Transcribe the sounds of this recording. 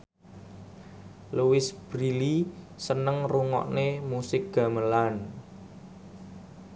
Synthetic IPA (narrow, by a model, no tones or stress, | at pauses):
luwɪsb̥ɾili | sənəŋruŋɔ̰ʔnemusɪk̚ɡ̥a̤məlan